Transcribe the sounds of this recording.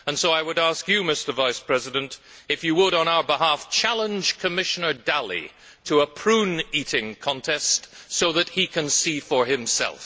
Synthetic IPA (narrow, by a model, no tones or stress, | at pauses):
ə̃nsoʊaɪwəɾæskjɨmɪstə˞vaɪspʰɹ̥ɛzɨɾɨ̃ntɨfjɨwəɾn̩aʊə˞bɪɦæft͡ʃʰælˠə̃nd͡ʒ̥kʰɨmɪʃɨnə˞dælˠḭ | ɾʰəəpʰɹ̥ũniɾɪ̃ŋkʰɑ̃ntʰɛstsoʊðɨt̚hikʰɨ̃nsifə˞ɪ̃msɛ̰lˠf